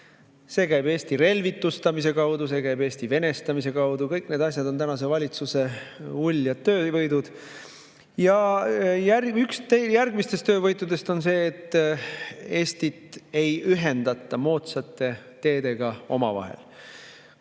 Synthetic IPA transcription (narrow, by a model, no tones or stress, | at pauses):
se̞ːkæjbe̞ːst̪iɾe̞lvit̪ːˑust̪ɑmis̬e̞kɑwd̪̥us̬e̞ːkæjbe̞ːst̪ive̞nest̪ɑmis̬e̞kɑwd̪̥ukɤjkne̞d̪ɑs̬ʲjɑd̪o̞nt̪ænɑs̬e̞vɑlʲit̪suse̞ulʲːjɑt̪ːøːvɤjd̪ud̪̥ | jɑjærykst̪ejærɡ̥mist̪est̪ø̞ːvɤjt̪ːˑud̪e̞st̪o̞nse̞ːt̪ːˑ | e̞ːst̪it̪ˑe̞jyɦe̞nd̪ɑt̪ˑːɑmo̞ːt̪sɑt̪ːˑe̞t̪e̞ːd̪e̞ɡ̥ɑo̞̰mɑ̰vɑ̰ɦḛl